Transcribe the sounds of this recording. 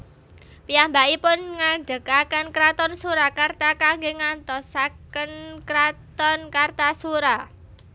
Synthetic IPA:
piambaʔipʊnŋaɳɖəkakənkɾat̪ɔnsuɾakart̪akaŋɡeŋant̪ɔsakənkɾat̪ɔnkart̪asuɾa

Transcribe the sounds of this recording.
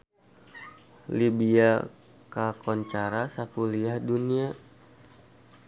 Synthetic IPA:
libia | kakɔɲt͡ʃaɾasakuliahdunia

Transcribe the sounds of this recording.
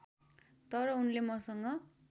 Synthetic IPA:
t̪ʌɾʌunlemʌsʌŋɡʌ

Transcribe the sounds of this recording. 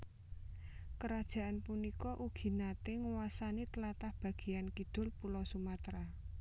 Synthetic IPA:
kəɾad̥ʒ̥a̤ʔanpunikɔʔuɡ̥i̤nat̪eŋəwasanit̪əlat̪ahb̥ä̤ɡ̥i̤jankid̪̥ʊ̤lpulɔsumat̪ɾa

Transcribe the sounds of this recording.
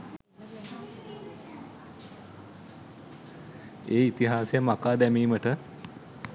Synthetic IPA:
eːit̪iɦaːsejəmakaːd̪æmiːməʈə

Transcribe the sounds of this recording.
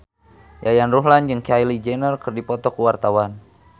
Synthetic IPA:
jajanruɦland͡ʒɨŋkajlid͡ʒɛnərkɨrdipɔt̪ɔkuwart̪awan

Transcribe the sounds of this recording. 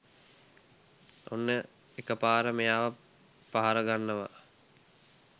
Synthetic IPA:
onːə | ekəpaːɾəmejaːʋa | paɦaɾəɡanːəʋa̰

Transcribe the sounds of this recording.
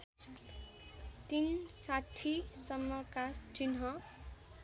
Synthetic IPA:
t̪insaʈʰisʌmːʌkast͡ʃinɦʌ

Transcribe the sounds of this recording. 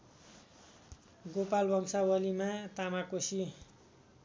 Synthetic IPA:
ɡopalbʱʌŋsawʌlimat̪amakosi

